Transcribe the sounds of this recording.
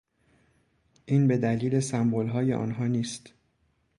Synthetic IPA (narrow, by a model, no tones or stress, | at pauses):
ʔiːnbe̞d̪æliːle̞sæmbolɦɒːje̞̰ʔɒ̰ːnɦɒːniːst̪